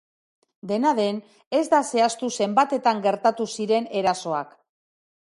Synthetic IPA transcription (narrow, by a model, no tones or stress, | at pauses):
d̪e̞naðe̞n | e̞zd̪ase̞ast̪use̞mbat̪e̞t̪aŋɡe̞ɾt̪at̪usiɾe̞ne̞ɾaso̞a̰k